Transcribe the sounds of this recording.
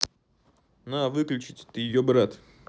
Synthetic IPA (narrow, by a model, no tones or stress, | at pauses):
nuɐvɨklʲʉt͡ɕɪtʲt̪ɨjɪjobɾat̪